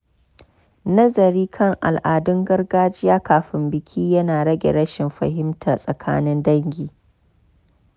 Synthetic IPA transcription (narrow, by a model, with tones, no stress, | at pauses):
nɐ˦zɐ˨ɾiː˦kʰɐ˦˨ŋʔa˨lʔaː˨dʊ˦ŋɡɐ˦rɡaː˦d͡ʒɪ˦jaː˦kaː˨ɸɪ˦mbɪ˨kʲʰiː˦jɐ˦naː˨ɽɐ˦ɡʲḛ˨ɽɐ˦ʃɪ˨mɸɐ̰˨hɪ˦mtʰa˨sʼɐ˨kʰa̰ː˦nɪ˦ndɐ˦ŋɡʲiː˨